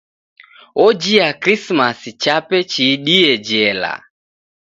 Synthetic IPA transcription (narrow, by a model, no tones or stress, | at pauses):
ɔd͡ʒiakɾismasit͡ʃapɛt͡ʃiɗiɛd͡ʒɛla̰